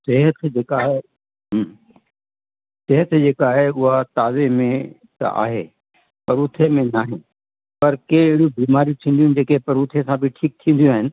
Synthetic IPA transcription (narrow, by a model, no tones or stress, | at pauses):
seɦət̪ʰd͡ʒeːkaːɦe | ɦ | seɦət̪ʰd͡ʑeːkaːɦeʊɦat̪aːzemẽ | t̪ɐ̰ʔa̰ːɦḛ | pɐɾʊt̪ʰemẽnaːɦɪ | pɐɾkeɪɦɪɽijubiːmaːɾiut̪ʰĩːnd̪ijund͡ʑeːkepɐɾut̪ʰesãbʱɪʈʰiːk̚t̪ʰĩːn̆d̪ijũaːɦɪnɪ̆